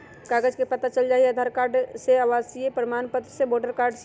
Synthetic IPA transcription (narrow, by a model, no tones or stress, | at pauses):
kaːɡəd͡ʒkepɐt̪at͡ʃəld͡ʒaːieɐd̪ʱaːɾkaːɾɖseaʋaːsiepɾəmaːnpət̪ɾəseboːɖəɾkaːɾɖs